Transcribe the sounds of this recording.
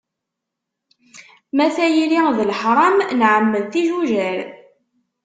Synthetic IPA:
mæθæjiliðlħɾˤɑmnʕəmːəðθiʒuʒæl

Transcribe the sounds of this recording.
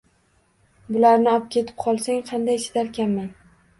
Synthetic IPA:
bʊlaɾnɪɒp̚kʲʰe̞t̪ʰɪ̥p̚qʰɒlˠsaŋqʰɑnd̪ajʃɪ̥d̪aɾkʲanman

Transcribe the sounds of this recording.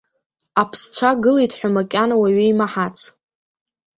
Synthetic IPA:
apʰst͡ʃʷʰaɡɨlejtʰʼħʷᶣamakʲʼanawaɥijmaħat͡sʼʰ

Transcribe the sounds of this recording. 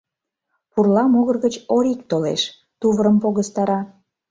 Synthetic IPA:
purlɑmoɣərɣət͡ɕoɾik̚t̪olḛʃ | t̪uβəɾəmpoɣəst̪ɑɾɑ

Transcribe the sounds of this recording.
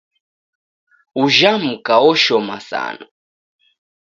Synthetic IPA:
uʒam̩kaɔʃɔmasa̰na

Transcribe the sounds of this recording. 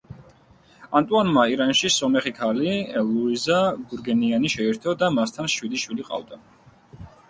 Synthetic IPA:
ant̪ʼuanmaiɾanʃisɔmɛχikʰaliluizaɡuɾɡɛnianiʃɛɛɾt̪ʰɔd̪amast̪ʰanʃwid̪iʃwiliqʼa̰vd̪a

